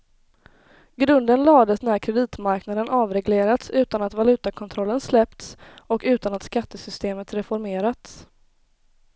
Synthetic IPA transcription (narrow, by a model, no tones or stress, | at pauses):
ɡɾɵnd̪ənlɑːd̪əsnæɾkʰɾɛd̪iːt̪maɾknad̪ənʔɑːvɾɛɡleːɾat̪sʉ̟ːt̪anat̪valʉ̟ːt̪akʰɔnt̪ʰɾɔlːənslɛpt̪sɔkʉ̟ːt̪anat̪skat̪ːəsʏst̪eːmət̪ɾɛfɔɾmeːɾat̪s